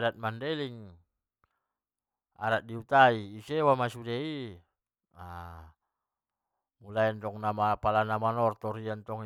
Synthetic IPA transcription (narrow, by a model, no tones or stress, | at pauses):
dat̪̚mandeliŋ | a̰ɾat̪̚diut̪aiːsewamasudei | a | mulaint̪ɔŋnamapalanamanɔrt̪ɔɾiant̪ɔŋ